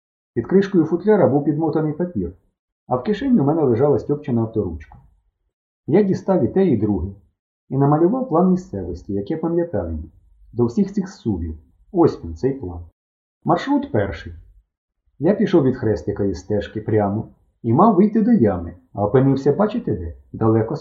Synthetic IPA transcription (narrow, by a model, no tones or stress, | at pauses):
pʲid̪kɾɪʃkɔjʊfʊt̪lʲaɾɐbuwpʲid̪mɔt̪ɐnɪjpɐpʲir | ɐwkɪʃɪnʲːimɛnɛlˠeʒɑlˠɐsʲtʲɔp̚t͡ʃɪnɐːwt̪ɔɾṵt͡ʃkɐ̥ | jadʲist̪ɑʋʲit̪ɛid̪ɾuɦɪ | inɐmɐlʲʊʋɑwplˠɑnmʲist̪sɛʋɔsʲtʲijɐkɛpɐmʲlʲjɐt̪ɑ̰ʋʲḭjʲi | d̪ɔwsʲixsixsubʲḭw | ɔsʲpʲint̪sɛjplˠɑ̰n | mɐrʃɾut̪pɛrʃɪj | japʲiʃɔwʋʲid̪xɾɛst̪ʲɪkɐist̪ɛʃkɪpɾʲamɔ | imɑwʋɪjt̪ɪd̪ɔjamɪɐɔpɪnɪwsʲɐbɑt͡ʃɪt̪ɪd̪ɛd̪ɐlˠɛkɔ